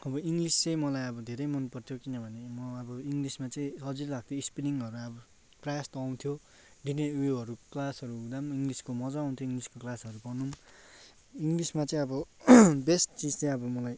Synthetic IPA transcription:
ʌbʌiŋɡlist͡sʌj̃mʌlajʌbʌd̪ʱeɾʌjmʌnpʌrt̪ʰjokinʌbʱʌnemʌʌbʌiŋɡlismat͡sʌĩɦʌd͡zilaɡ̚t̪ʰjoispiniŋʌɾuʌbʌ | prajast̪ʌːw̃t̪ʰjo | ɖineweɦʌɾuklasʌɾuud̪amiŋɡliskomʌd͡zaʌ̃w̃t̪ʰjoiŋɡliskoklasʌɾupʌnum | iŋɡlismat͡sʌĩʌbʌbesʈt͡sid͡zt͡sʌj̃ʌbʌmʌlaj

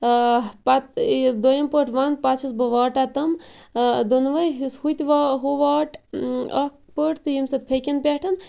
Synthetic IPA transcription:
pat̪d̪ojɐmpəʈʰʋanpat͡ʃʰisbɐʋaːʈat̪ɐm | d̪onʋɐjɦishut̪ʲʋaɦoʋaːʈɐkʰpəʈʰt̪ɨjimsɐt̪̚pʰekʲɐnpʲeʈʰɐn

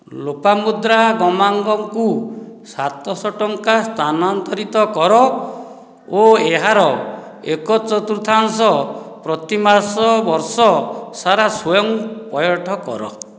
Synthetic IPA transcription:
lopamud̪ɾaɡɔmaŋɡɔŋkusat̪ɔsɔʈɔŋkast̪ʰanɔant̪ɔɾit̪ɔkɔɾɔ | oeɦaɾɔ | ekɔt͡ʃɔt̪uɾut̪ʰansɔpɾɔt̪imasɔbɔɾsɔsaɾasɔjɔŋpɔjɔʈʰɔkɔ̰ɾɔ̰

